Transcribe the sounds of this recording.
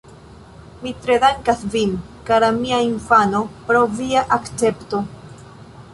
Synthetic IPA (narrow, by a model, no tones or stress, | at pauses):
mitɾe̞daŋkasvinkalamiainfano̞pɾowviaʔakt͡se̞pto̞